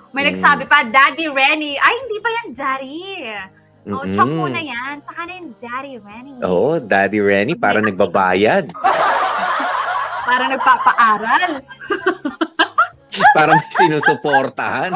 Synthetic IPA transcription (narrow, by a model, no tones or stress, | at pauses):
mɐjnɐɡsaːbɪpɐd̪aːd̪iɹɛniʔɐjhɪnd̪iːpɐjɐnd͡ʒaːɾi | m̩ːot͡ʃɐunɐjansɐkanɛnd͡ʒaːɾiɹɛniʔo̰ːʔod̪aːd̪iɹɛnipaːɾɐŋnɐɡ̚baba̰ːjɐd̪̚ | paːɾɐŋnɐɡ̚paːpɐʔaːɾɐl | paːɾɐmɐɡsɪnuːsʊpoɾt̪ɐhan